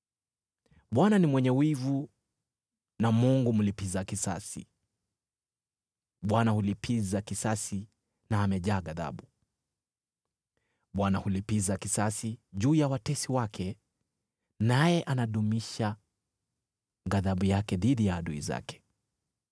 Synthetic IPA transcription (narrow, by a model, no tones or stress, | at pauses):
ɓwananimwɛɲɛwivu | namuŋɡum̩lipizakisa̰sḭ | ɓwanahulipʰizakisasi | naːmɛʄaːɠaða̰ɓu | ɓwanahulipizakisasiʄuːjawatɛsiwakʰɛ | najɛʔanaɗumiʃa | ɡaðaɓujakɛðiðijaːɗuḭza̰kɛ̥